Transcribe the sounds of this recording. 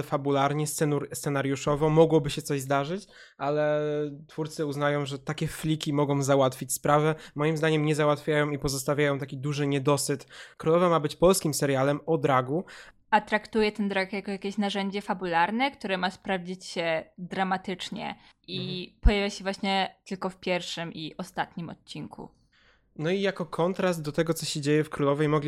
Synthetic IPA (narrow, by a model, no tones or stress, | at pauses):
fabulaɾɲɛst̪sɛssɛnaɾjuʂɔvɔmɔɡwɔbɘɕɛt̪sɔʑzd̪aʐɘt͡ɕ | ʔalɛt̪fuɾt̪sɘuznajɔ̃w̃ʐɛt̪akʲɛflʲikʲimɔɡɔ̃w̃zawat̪fʲit͡ɕspɾavɛmɔjimzd̪aɲɛmɲɛzawat̪fʲjajɔ̃w̃ipɔzɔst̪avʲjajɔ̃w̃t̪akʲid̪uʐɘɲɛd̪ɔsɘt̪kɾulɔvamabɘt͡ɕpɔlskʲimsɛɾjalɛmɔd̪ɾaɡu | at̪ɾakt̪ujɛt̪ɛnd̪ɾakjakɔjakʲeɕnaʐɛɲd͡ʑɛfabulaɾnɛkt̪uɾɛmaspɾavd͡ʑit͡ɕɕɛd̪ɾamat̪ɘt͡ʂɲɛ̰ʔipɔjavʲjaɕɛvwaɕɲɛt̪ɘlkɔfpʲjɛɾfʂɘmʔiʔɔst̪at̪ɲimɔ̰t̪̚ʲt͡ɕiŋkʰṵ | nɔijakɔkʰɔnt̪ɾast̪̚d̪ɔt̪ɛɡɔt̪sɔɕɛd͡ʑejɛfkɾulɔvɛjmɔɡlʲi